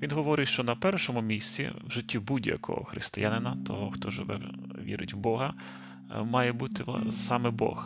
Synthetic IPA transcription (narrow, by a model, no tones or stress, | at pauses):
ʋʲinɦɔʋɔɾɪtʲʃt͡ʃɔnɐpɛrʃɔmʊmʲisʲt͡sʲḭwʒɪtʲːibudʲjɐ̰kɔ̰ɦɔ̰xɾɪ̰st̪ɪjanɪnɐt̪ɔ̰ɦɔxt̪ɔʒɪ̰ʋɛ̰w | ʋʲḭɾɪ̰tʲwbɔɦɐ | mɑjɛbut̪ɪsɑmɛbɔ̰x